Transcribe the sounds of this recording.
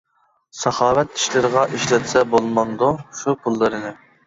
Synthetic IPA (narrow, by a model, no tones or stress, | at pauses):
sɑχɑːwɛt̪i̥ʃlɪɾɨʁɑʔiʃlɛt̪sɛbolˠmɑnd̪uʃupʰulˠːɨɾɨnɨ